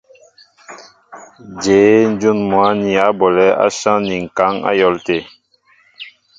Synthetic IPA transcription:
d͡ʒeː˨˦n˦d͡ʒu˦nmwa˨˦ni˨a˨˦bɔ˨lɛ˦a̰˦ʃã˦ni˨ŋ̩˨ka˨˦ŋa̰˦jɔ˨˦lte˨

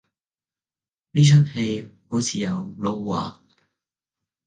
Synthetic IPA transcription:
liː˥t͡ʃʰə˥t̚he˧jho˨˥wt͡sʰiː˨jɐ˨˧wlo˧wːa̰ː˨˩

